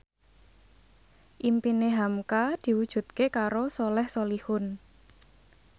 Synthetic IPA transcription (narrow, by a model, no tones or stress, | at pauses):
ʔimpineɦamkad̪̥i̤wud̥ʒ̥ṳt̪̚kekaɾosolɛhsolihʊn